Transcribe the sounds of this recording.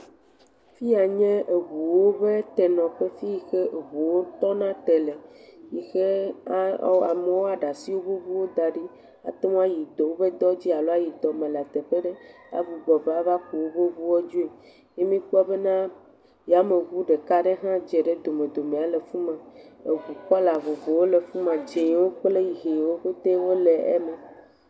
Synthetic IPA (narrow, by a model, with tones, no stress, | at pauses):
fi˦a˨ɲɛ̃˦e˨βu˨wo˦be˦t̪ɛ˨nɔ̃˨ɸe˦fi˦ji˨xe˦ʔe˨βu˨wo˦t̪ɔ˦nã˦t̪ɛ˨le˨ji˨xe˦ | a̰˨me˨wo˦a˨ɖa˨si˦wo˦bo˦vu˦wo˦d̪a˨ɖi˦ | a̰˨t̪e˦m̃˦a˦ji˨d̪o˨wo˦be˦d̪ɔ˦d͡ʑi˦a˨lɔ˦a˦ji˨d̪ɔ˨mẽ˨la˨t̪ɛ˨ɸe˦ɖe˦ | a̰˦vu˨ɡ͡bɔ˨ba˦va˦ku˨wo˦bo˦vu˦wo˦d͡ʒu˦e˨ | je˦mĩ˦k͡pu˦a˦be˦nã˦ | ja˦me˨ɣu˦ɖe˨ka˦ɖe˦ɦã˦d͡ʒɛ˨ɖe˦d̪o˨mẽ˨d̪o˨mẽ˨a˦le˨fu˦mã˨e˨ɡu˨k͡pɔ˦la˨vo˨vo˨wo˦le˨fu˦mã˨d͡ʒe˨jwo˦k͡ple˦ji˨ɦe˨jwo˦ɸe˦t̪e˦wo˦le˨ɛ̰˦me˨